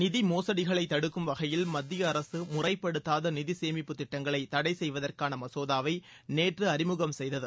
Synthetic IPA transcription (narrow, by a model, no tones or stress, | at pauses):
nɪðimoːsɐɽɪɣɐɭɐɪt̪ːɐɽɯkːɯmʋɐɣɐjɪlmɐd̪ːɪjɐːɾɐsɯmʊrɐɪpːɐɽɯt̪ːaːðɐnɪðɪseːmɪpːɯt̪ːɪʈːɐŋɡɐɭɐɪt̪ːɐɽɐɪsɛjʋɐðɐrkaːnɐmɐsoːðaːʋɐɪ | neːʈrɯɐɾɪmɯɣɐmsɛjðɐðɯ